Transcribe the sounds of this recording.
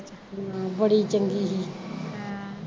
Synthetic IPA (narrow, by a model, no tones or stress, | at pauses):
t͡ʃ | mãbəɽit͡ʃəŋɡiːɦiː